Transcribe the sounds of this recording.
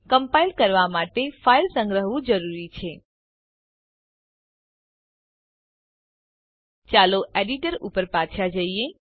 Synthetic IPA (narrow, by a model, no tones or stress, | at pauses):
kəmpailkəɾʋamaʈefailsə̃ŋɡɾəɦʋũd͡ʒəɾuɾit͡ʃʰe | t͡ʃaloʔeɖiʈəɾupəɾpat͡ʃʰad͡ʒəie